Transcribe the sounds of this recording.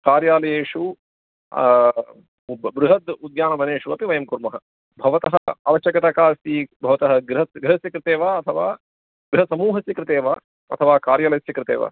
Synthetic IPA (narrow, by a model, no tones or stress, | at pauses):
kaːɾjaːlɐjeːʂu | bɾuɦɐd̪ud̪jaːnɐʋɐneːʂuɐpiʋɐjɐmkuɾmɐɦɐ | bʱɐʋɐt̪ɐɦɐa̰ːʋɐʃɐkɐt̪akaːst̪iːbʱɐʋɐt̪ɐɦɐ̆ɡɾɪɦɐɡɾɪɦɐsjɐkɾɪt̪eːʋaːɐt̪ʰɐʋaː | ɡɾɪɦɐsɐmuːɦɐsjɐkɾɪt̪eːʋaː | ɐ̰t̪ʰɐʋaːkaːɾjaːlɐsjɐkɾɪt̪ḛːʋa̰ː